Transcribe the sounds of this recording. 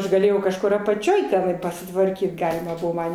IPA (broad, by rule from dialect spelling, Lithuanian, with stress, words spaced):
ɐʃ ɡɐˈlʲeːjɛʊ kɐʃˈkʊr ɐpɐˈt͡ʃʲoːj tʲɛˈnɐɪ pɐsʲɪtʋɐrʲˈkʲiːt ˈɡɑːlʲɪmɐ ˈbʊʋoː ˈmɐn